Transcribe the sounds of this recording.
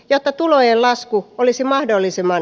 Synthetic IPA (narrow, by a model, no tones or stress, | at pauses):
jot̪ːɑt̪ulojellɑskuolisimɑhdolːisemːɑ